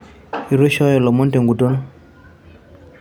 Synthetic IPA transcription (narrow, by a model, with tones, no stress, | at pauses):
i˨ɾo˦ʃɔ˦jɔ˨lɔ˨mɔ˦nte˨ŋɡu˨to˦n